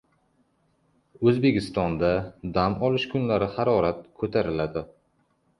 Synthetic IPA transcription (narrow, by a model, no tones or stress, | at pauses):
ɵzbe̞kʲʰɪst̪ɒnd̪ad̪amɒlɪʃkʰʊnlaɾɪhaɾɒɾat̪̚kʰot̪ʰaɾɪlad̪ɪ